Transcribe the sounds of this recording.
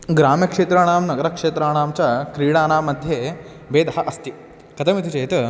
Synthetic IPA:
ɡɾaːmjɐkʂeːt̪ɾaɽ̃aːmnɐɡɐɾɐkʂeːt̪ɾaːɽ̃aːmt͡ɕjakɾiːɽaːnaːmɐd̪ʱje | beːd̪ɦɐʔɐst̪i | kɐt̪ɐmit̪it͡ɕɐjt̪ə

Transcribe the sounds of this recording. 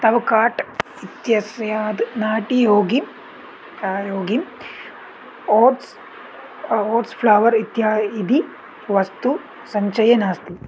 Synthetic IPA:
t̪ɐʋɐkaːʈ | it̪jɐsjaːd̪naːʈijoːɡi | joːɡi | oːʈs | oːʈspʰlɐʋɐɾit̪jaːid̪ʱi | ʋɐst̪u | sɐɲt͡ʃɐjɐnaːst̪i

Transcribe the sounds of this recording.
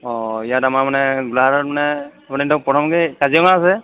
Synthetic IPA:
ɔijatamamanɛɡulaaɾɔt̚manɛapɔnitɔpɔtʰɔmɡekaziɔŋaːsɛ

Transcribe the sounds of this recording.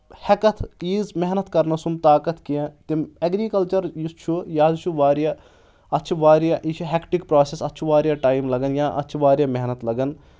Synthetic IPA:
hɛkɐt̪ʰiːzmɛɦnɐt̪kɐɾnɐsumt̪aːkɐt̪kijãt̪emɐɡɾiːkɐlt͡ʃɐɾjust͡ʃʰujaːd̪t͡ʃʰuʋaːɾjaː | ɐtːt͡ʃʰuʋaːɾjaːʔit͡ʃʰuɦekʈikpɾaːsesɐtːt͡ʃʰuʋaːɾjaːʈaːimlɐɡənjaːʔɐ̰tːt͡ʃʰʋaːɾjaːmɛɦnət̪lɐɡən

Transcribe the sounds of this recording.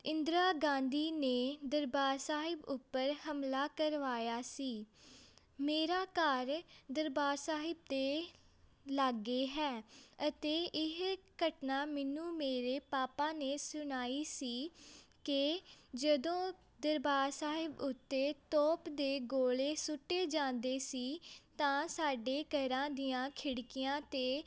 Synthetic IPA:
ɪ̃nd̪ɾaːɡãːnd̪iːneːd̪əɾbaːɾsaːɦɪbʊpːəɾhəmlaːkəɾʋaːjaːsiː | meːɾaːkaːɾd̪əɾbaːɾsaːɦɪb̚d̪eː | laɡːeːɦɛːət̪eːɪɦkəʈnaːmɛnũːmeːɾeːpaːpãːneːsʊnaːiːsiːkɪd͡ʒəd̪õː | d̪əɾbaːɾsaːɦɪbʊt̪ːeːt̪ɔːpd̪eːɡoːleːsʊʈːeːd͡ʒãːnd̪eːsiːt̪ãːsaːɖeːkəɾãːd̪ijãːkʰɪɽkɪjãːt̪eː

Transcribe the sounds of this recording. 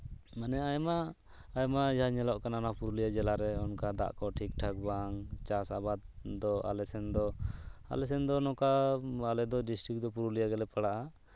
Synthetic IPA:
manɛajmaː | jmajaɲɛlɔʔkananapuɾulijad͡ʒɛlaɾɛɔnkad̪a̰ʔkɔʈʰik̚ʈʰak̚baŋt͡ʃasabad̪̚d̪ɔa̰lɛsɛnd̪ɔa̰lɛsɛnd̪ɔnɔkaalɛd̪ɔɖisʈɾik̚d̪ɔpuɾulijaɡɛlɛpaɽaʔa

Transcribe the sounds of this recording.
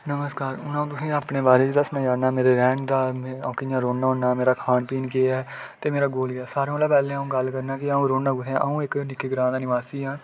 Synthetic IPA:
nəməskaːɾʊnãːũːt̪ʊsĩːaːpɳeːbaːɾeːt͡ʃːd̪əsnãːd͡ʒaːnaːmeːɾeːɾɛ̃ːɳd̪ãːkɪãːɾoːɳːaːõːnaːmeːɾaːkʰaːnpiːnkeːɛː | t̪eːmeːɾaːɡoːlɡaːsaːɾẽõːlaːpɛːlẽːaũːɡəlkəɾnaːkɪaũːɾoːnaːɡʊt̪ʰeã̰ːʔaːũːɪknɪkeːɡɾãːnd̪aːnɪʋaːsiːɦãː

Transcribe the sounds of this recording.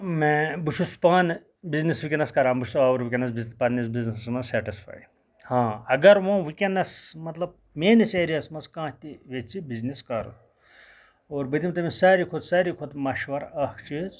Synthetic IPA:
mẽbut͡ʃʰuspaːn | biznisʋikʲenɐskɐɾaːmbut͡ʃʰusaːʋɐɾʋikʲenɐs̬bizpɐnisbiznɐsɐsmɐsɛːʈispʰa̰ːj | hãːɐɡɐɾʋõːʋikʲenːɐsmɐt̪lɐb | meːniseːɾijɐsmɐskãːt̪iʋet͡sibizniskɐɾ | oːɾbət̪imt̪ɐmisaːɾikʰot̪saːɾikʰot̪mɐʃʋɐɾɐht͡ʃiz

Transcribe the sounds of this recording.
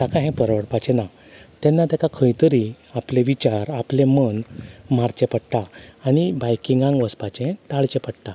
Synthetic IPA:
t̪akãɦɛ̃pəɾʋəɽpat͡ɕena | t̪ɛnːat̪akakʰəjt̪əɾi | apleʋit͡ɕaɾaplẽmənm̤aɾt͡ɕepəɽʈaːñibajkiŋɡãŋɡʋəspat͡ɕẽt̪aɭt͡ɕẽpəɽʈa

